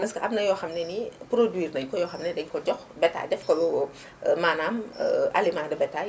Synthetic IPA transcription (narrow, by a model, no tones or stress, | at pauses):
nɐskɐʔɐb̚nɐjɔːxɐmnɛnipɾodwiːrnɐjkɔjɔːxɐmnɛdɛɲkɔɟɔxbɛtːa̰ːdɛfkɔlu | maːnaːm̰ɐlimaːdɐbɛtːaː